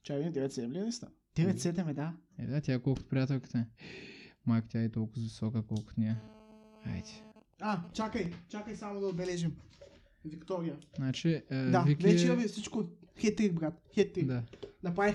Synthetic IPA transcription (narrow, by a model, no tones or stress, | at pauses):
t͡ʃakimd̪ɛvɛt̪sɛd̪ɛmlʲinɛst̪a | d̪̥ɛvɛt̪ʲsɛd̪ɛmɛd̪anɛ̰d̪at̪ʲakɔlˠkʊt̪ʊ̥pɾʲijat̪ɛlˠkə̥t̪ə | makt̪jaɛt̪ɔlˠkʊzvisɔkəkɔlˠkʊ̥t̪nʲia | a̰jt̪ʲi̥ | at͡ʃakəjt͡ʃakəjsamod̪ɐod̪bɛlɛʒim | vikt̪ɔɾijənat͡ʃid̪avivɛt͡ʃɛɐvifsit͡ʃkoxɛt̪ɾiɡ̪̚bɾat̪xɛt̪ːɾid̪ad̪ɐpɾai